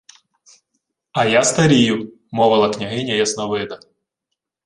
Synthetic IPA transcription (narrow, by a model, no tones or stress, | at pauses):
ɐjast̪ɐɾʲijʊ | mɔʋɐlˠɐknʲɐɦɪnʲɐjɐsnɐʋɪd̪ɐ